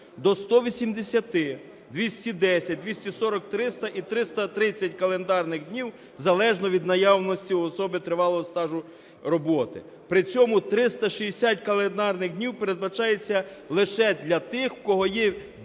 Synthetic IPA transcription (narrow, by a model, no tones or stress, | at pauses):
d̪ɔst̪ɔʋʲisʲimd̪esʲɐt̪ɪ | d̪ʲʋʲisʲtʲid̪ɛsʲɐt̚ʲd̪ʲʋʲisʲtʲisɔɾɔkt̪ɾɪst̪ɐʔit̪ɾɪst̪ɐt̪ɾɪt͡sʲːɐtʲkɐlˠend̪ɑrnɪɣdʲnʲiw | zɐlˠɛʒnɔʋʲid̪nɐjɑwnɔsʲtʲiɔsɔbɪt̪ɾɪʋɑlˠɔɦɔst̪ɑʒʊ | rɔbɔt̪ɪ̰ | pɾɪt͡sʲɔmʊt̪ɾɪst̪ɐʃijesʲatʲkɐlˠend̪ɑrnɪɣdʲnʲiwpeɾe̞d̪̚bɐt͡ʃɑjet͡sʲːɐlˠɪʃɛd̪lʲɐt̪ɪxkɔɦɔjɛ